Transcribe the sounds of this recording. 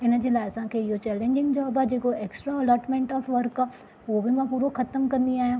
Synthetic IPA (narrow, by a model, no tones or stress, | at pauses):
ɪnə̆d͡ʑeːlaːɪɐsãkʰeːɪɦot͡ɕɛːlẽːɲd͡ʑɪ̃ŋɡd͡ʑaːbaːd͡ʑeːkoeːksʈɾaɐlɔːɾʈmẽːɳʈɔːfʋɐɾkaː | uɦobɪmãpuːɾoxɐt̪əmkɐ̃nd̪iaːɦijõː